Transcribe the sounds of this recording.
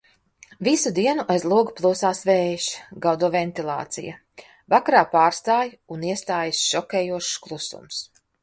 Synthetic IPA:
visud̪iɛnuʔajzlˠuɔɡuplˠuːsaːsvɛːjʃɡawd̪uvɛnt̪ilˠa̰ːt̪sḭjɐ̰ | vakaɾaːpaːɾst̪aːjuniɛst̪aːjsʃɔkʲɛːjuɔʃklˠusṵms

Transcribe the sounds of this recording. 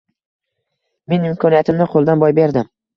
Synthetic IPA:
me̞nɪmkʰɒnijat̪ʰɪmnɪqʰolˠd̪anbɒjbe̞ɾd̪ɪm

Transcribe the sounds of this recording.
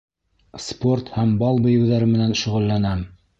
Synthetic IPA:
spo̞rt̪hæmbɑlˠbɤ̆jɘ̆wðæɾɘmɘ̆nænʃɵ̆ʁɘ̆lːænæm

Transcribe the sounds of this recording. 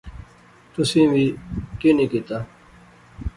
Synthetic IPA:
t̪usĩːwiːkinikit̪aː

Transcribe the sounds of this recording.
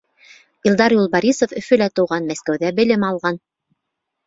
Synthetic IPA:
ilˠd̪ɑɾjulˠbɑɾʲisofɵ̆fɵ̆læt̪ɤ̆wʁɑnmæskæwðæbɘ̆lɘmɑlˠʁɑn

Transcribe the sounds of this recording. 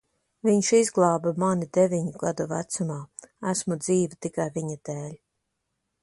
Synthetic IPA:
viɲʃizɡlˠɑːbamanid̪evʲiɲuɡ̥ad̪uvæ̰t̪sumaːæsmud̪ziːvit̪ikajviɲad̪eːlʲ

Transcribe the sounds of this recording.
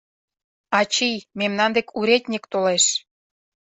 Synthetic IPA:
ɑt͡ɕijmemnɑnd̪ekʰuɾet̪ʲnʲikt̪oleʃ

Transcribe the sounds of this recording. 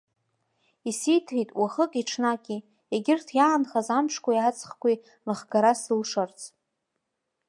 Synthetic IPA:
isijtʰħitʼwaχəkʼiʈ͡ʂʰnakʲʼi | eɡʲɪrtʰjaːnχazamʂʰkʷʰajat͡sʼχkʷi | lɨχɡaɾasɨlʂart͡sʰʼ

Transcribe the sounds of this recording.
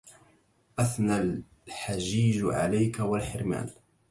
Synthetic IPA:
ʔaθnal | ħaʒiːʒʕa̰lajkawalħɪɾma̰ːl

